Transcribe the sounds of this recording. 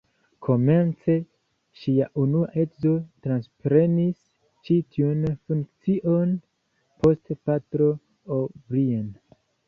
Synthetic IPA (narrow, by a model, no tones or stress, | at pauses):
kʰo̞me̞nt͡se̞ | ʃiaʔunuaʔe̞kzo̞tɾanspɾe̞nis | t͡ʃitʰiunfuŋkt͡siʔo̞n | pʰo̞stpatɾo̞ | obɾien